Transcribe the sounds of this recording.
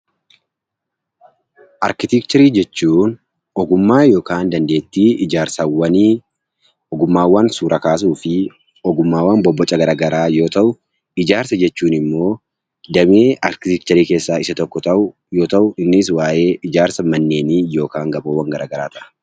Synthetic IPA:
ʔɐɾkɪt̪ɪkt͡ʃɐɾiːd͡ʒɛt͡ʃːuːn | ɔɡʊmːaːjo̞ːkaːnd̪ɐnd̪eːt̪ːiːʔɪd͡ʒaːɾsɐwɐni | ɔɡʊmːaːwːɐnsuːɾʔɐkaːs̬uːfɪ | ɔɡʊmːaːwɐnbɔbːɔt͡ʃʼːɐɡɐɾaːɡɐɾaːjo̞ːt̪ɐʔʊ | ɪd͡ʒaːɾsɐd͡ʒɛt͡ʃːuːnɪmːo̞ː | d̪ɐmeːɐɾkɪt̪ɪk̚t͡ʃɐɾiːke̞ːsːaːɪsɐt̪ɔkːɔt̪ɐʔʊ | jo̞ːt̪ɐʔʊɪnːɪs̬waːʔe̞ːʔɪd͡ʒaːɾsɐmɐnːe̞ːniːjo̞ːkaːŋɡɐboːwːɐŋɡɐɾaːɡɐɾaːt̪ɐʔɐ̥

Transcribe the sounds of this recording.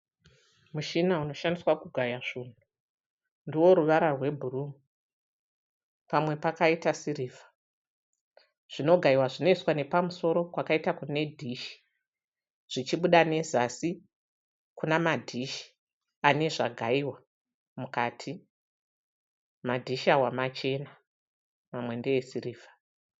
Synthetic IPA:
muʃinauno̞ʃandiswakuɡʱajaʐin̤u | ndiwo̞ɾuʋaɾarwe̞bʱurumu | pamwe̞pakaitasiriːvḁ | ʐ̥ino̞ɡʱaiwaʐino̞iswane̞pamuso̞ɾo̞kwakaitakune̞dʱiʃi̥ | ʐ̥it͡ʃiɓuɗane̞zasi | kunamadʱiʃi̥ | ane̞ʐaɡʱaiwa | mukaːtʰi | madʱiʃawamat͡ʃe̞na | mamwe̞ndejesiriːvʱḁ

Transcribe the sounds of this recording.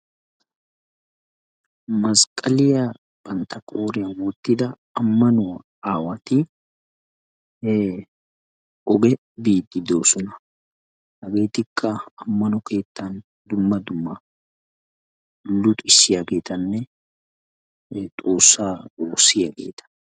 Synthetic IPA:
mɐskʼɐlɪja | bɐnt̪ɐkʼoːɾɪjɐwɔt̪ːɪd̪ɐː | mːɐnʊwɐ | aːwɐt̪ɪ | ɔɡɛ | biːd̪ːɪd̪o̞ːsɔnɐ | hɐɡe̞ːt̪ɪkʰːɐɐmːɐnɔke̞ːt̪ːɐn | d̪ʊmːɐd̪ʊmːɐ | lʊt̪ʼɪsːɪjaɡe̞ːt̪ɐnːɛ | t̪ʼoːsːaːoːsːɪjaːɡe̞̰ːt̪ɐ̥

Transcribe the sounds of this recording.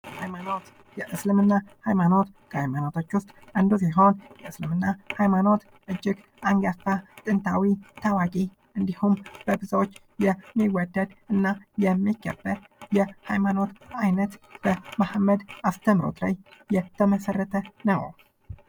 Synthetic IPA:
hajmano̞t̪ | jɛʔɨslɨmɨnːahajmano̞t̪kʰəhajmano̞t̪ʰo̞t͡ʃːwʊst̪ʼand̪usiɦo̞njɛʔɨslɨmɨnːahajmano̞t̪ | ʔɨd͡ʒːɪɡ | aŋɡafat̪ʼɨnt̪ʰawit̪ʰawakʼi | ʔɨnd̪ihumb̥əbɨzawot͡ʃː | jɛmːiwɔd̪ːəd̪ɨnːajɛmːiɡə̰bːə | jɛhajmano̞t̪ajnət̪b̥əmahamːəd̪ast̪ʰəmɾo̰t̪la̰jjɛt̪ʰəməsərːət̪ʰənəw

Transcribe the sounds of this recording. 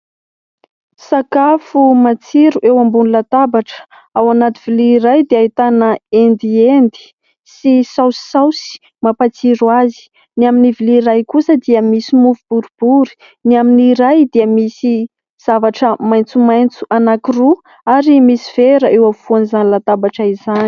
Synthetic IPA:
sakafumat͡siɾuʔewambunilat̪abaʈ͡ʂə̥ | awanat̪ivilirajd̪eait̪anəend̪iend̪i̥ | sisawsi̥sawsi̥ | mapat͡siɾuazi̥ | niaminivilirajkusəd̪iəmisimuvubuɾub̥uɾi̥ | niaminiɾajd̪iəmisi | z̥avaʈ͡ʂəmajnt͡sumajnt͡su̥ʔanakiru | aɾimisiv̥eɾəʔewafuanizanilat̪abaʈ͡ʂaizani̥

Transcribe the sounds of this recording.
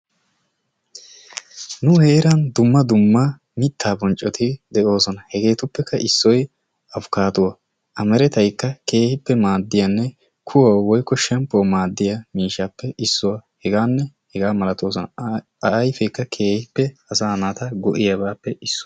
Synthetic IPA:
nʊheːɪɾɐnd̪ʊmːɐd̪ʊmːɐ | mɪt̪ʰːaːbɔnt͡ʃʼːɔt̪ʰɪd̪ɛʔo̞ːsɔnɐhɛɡe̞ːt̪ʊpːɛkʰːɐʔɪsːɔj | ʔɐfkaːt̪ʊwɐ | ʔɐmɛɾɛt̪ɐjkːɐke̞ːhɪpːɛmaːd̪ːɪjɐnːɛ | kʰʊwɐwwɔjkːɔʃɛmpʼːomaːd̪ːɪjɐmiːʃaːpːɛʔɪsːʊwɐhɛɡaːnːɛhɛɡaːmɐlɐt̪oːs̬ɔnɐ | ɐʔɐjfɛjkːɐkʰeːhɪpːɛɐsaːnat̪ɐɡɔʔɪjɐbaːpːɛʔɪsːʊ̥

